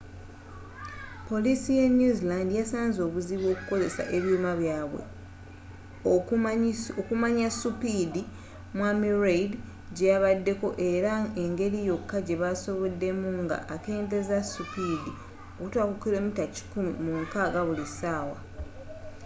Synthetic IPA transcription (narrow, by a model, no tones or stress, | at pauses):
po̞lisijenjuzilandijasaːnzo̞ːβuziβwo̞ːku̥ko̞ze̞sa̰ʔe̞βjuːmaβjaːβwḛ | okumaɲasupidi | mwamiɾeid | ɟejaβadːe̞ko̞ʔe̞ɾae̞ŋɡe̞ɾijo̞kːaɟe̞βaso̞βo̞dːe̞muŋɡa̰ʔake̞ːnde̞zasupidi | o̞kutwakukile̞mitaci̥kumḭmuŋkaɡaβulisaːwa